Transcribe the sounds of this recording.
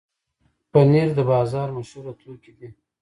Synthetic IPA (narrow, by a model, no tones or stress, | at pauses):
pəneɾd̪əbɑzɑɾmaʃuɾat̪lukid̪i